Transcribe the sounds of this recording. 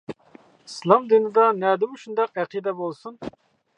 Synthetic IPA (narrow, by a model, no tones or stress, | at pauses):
islˠɑmd̪inɨd̪ɑnɛd̪ɪmuʃund̪ɑqɛqʰid̪ɛbolˠsun